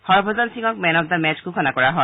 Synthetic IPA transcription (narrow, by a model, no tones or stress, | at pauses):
hɔɹbʱɔzansiŋɔk̚mɛnɔk̚damɛt͡ʃkukʰɔnakɔɹaɦɔ